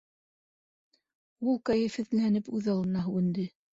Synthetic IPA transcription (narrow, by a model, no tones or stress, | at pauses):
ulˠkæjɘfhɘ̆ðlænɘpʉðɑlˠɤ̆nɑɦʉwɘ̆nd̪ɘ